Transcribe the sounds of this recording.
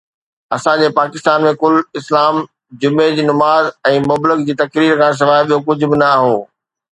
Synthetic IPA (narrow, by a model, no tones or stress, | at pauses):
ɐsãd͡ʑeːpaːkɪst̪aːnmẽkʊlɪslaːm | d͡ʑʊmed͡ʑiːnɐmaːzɛ̃ːmʊblɪkd͡ʑiːt̪ɐkɾiːɾkʰãːs̬ɐʋaːjɓijokʊd͡ʑʱʊbɪnɐːɦoː